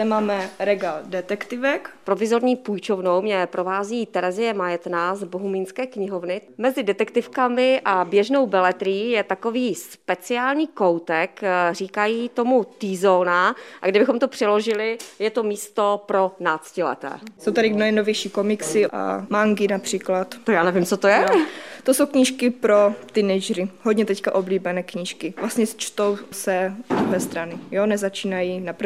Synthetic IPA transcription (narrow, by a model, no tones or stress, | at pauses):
ɛmaːmɛɾɛɡaldɛt̪ɛkt̪ɪvɛkpɾo̞vɪzo̞ɾɲiːpujt͡ʃo̞vnowmɲɛpɾʔo̞vaːziːt̪ɛɾɛzɪjɛmajɛt̪nazboɦumiːnskɛːkɲɪɦovnɪmɛzɪdɛt̪ɛkt̪ɪfkamɪʔabjɛʒnowbɛlɛt̪ɾɪjiːjɛt̪akoviːspɛt͡sɪaːlɲiːkowt̪ɛkriːkajiːt̪o̞mut̪iːzonaʔaɡdɪbɪxomt̪opr̝̥ɛlo̞ʒɪlɪjɛt̪o̞miːst̪o̞pɾo̞naːt͡scɪlɛ̰t̪ɛ̰ːsowt̪adɪnojɛnovjɛjʃiːkomɪksɪʔa̰maŋɡɪnapr̝̥iːklat̪t̪ajaːnɛvimt͡sot̪ojɛt̪osowkɲiːʃkɪpɾot̪ɪnɛd͡ʒɾɪɦodɲɛt̪ɛckaʔo̞bliːbɛnɛːkɲiːʃkɪvlast̪ɲɛt͡ʃt̪owsɛd̪ɾuɦɛːst̪ɾanɪjonɛzat͡ʃiːnajinapɾ